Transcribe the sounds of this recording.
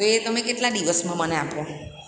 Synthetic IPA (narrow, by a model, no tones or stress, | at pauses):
oet̪əmẽkeʈlaɖiʋəsmãməneapo